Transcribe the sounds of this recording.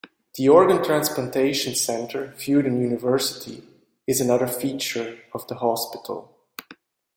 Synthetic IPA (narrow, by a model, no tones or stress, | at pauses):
ðiɔɹɡə̃ntʰɹ̥æ̃nsplə̃ntʰeɪʃnsɛ̃ntʰə˞fjʉɾɨ̃njʉnɨvɜ˞sɪ̥tʰḭ | ɨzɨnʌðə˞fit͡ʃə˞ʌvðəhɑspɪtʰl̩ˠ